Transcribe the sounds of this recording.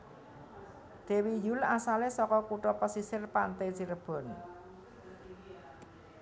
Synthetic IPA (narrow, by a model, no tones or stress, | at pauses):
d̪̥e̤wijulasalesɔkɔkuʈɔpəsisɪrpant̪ɛsiɾəb̥ɔ̤n